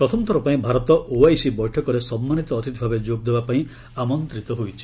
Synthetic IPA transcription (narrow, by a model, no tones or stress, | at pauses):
pɾɔt̪ʰɔmt̪ʰɔɾɔpaĩbʱaɾɔt̪ɔʔoajsibɔjʈʰɔkɔɾesɔmːanit̪ɔːt̪it̪ibʱabed͡ʒoɡ̚d̪ebapaĩ | amɔnt̪ɾit̪ɔɦojt͡ʃʰi̥